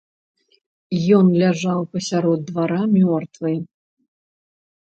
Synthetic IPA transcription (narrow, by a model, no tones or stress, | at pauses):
jɔnlʲaʐawpɐsʲaɾɔd̪̚ːvaɾamʲɔrt̪vɨj